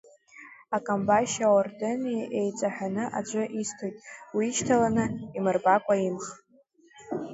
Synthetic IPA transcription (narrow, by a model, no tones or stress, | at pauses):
akʼambajʃaordenʔejt͡sʷʼaħᶣanɨʔa̰d͡ʒʷʼaʔistʰojtʼwiːʃtʰalanɨimɨrbakʷʼaimχ